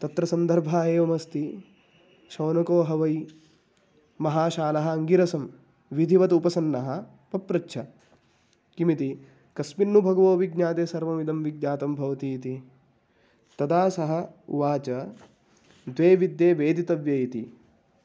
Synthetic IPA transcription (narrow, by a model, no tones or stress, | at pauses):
t̪ɐt̪ɾɐsɐnd̪ʱɐɾbʱaːeːʋɐmɐst̪i | ʃɐːnɐkoːɦɐʋɐj | mɐɦaːʃaːlɐɦɐɐŋɡiɾɐsɐm | ʋid̪ʱiʋɐt̪upɐsɐnːɐɦɐ | pɐpɾɐtːʃʰɐ | kimit̪i | kɐsminːubʱɐɡɐʋoːʋiɡɲaːt̪eːsɐɾʋɐmid̪ɐmʋiɡ̚ɲaːt̪ɐmbʱɐʋɐt̪iːt̪i | t̪ɐd̪aːsɐɦɐṵʋaːt͡ʃɐ | d̪ʋeːʋid̪jeːʋeːd̪it̪ɐʋjɐjit̪i